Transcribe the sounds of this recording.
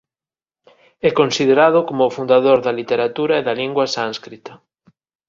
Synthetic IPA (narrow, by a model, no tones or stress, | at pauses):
ɛkonsiðeɾaðʊkomʊːfund̪aðoɾðɐlit̪eɾat̪uɾaeðɐliŋɡwɐsãnskɾit̪ɐ